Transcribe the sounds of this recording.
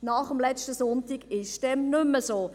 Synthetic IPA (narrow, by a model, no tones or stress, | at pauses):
nɑχəmlɛt͡ʃtəsɔntiɡɪʃd̥ɛmnʏmːəsoː